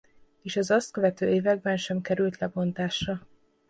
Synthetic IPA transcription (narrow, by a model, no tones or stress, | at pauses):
eːʃɛzɒst̪̚kø̞vɛt̪øːeːvɛɡ̚bɛnʃɛmkɛɾylt̪lɛbo̞nt̪aːʃrɒ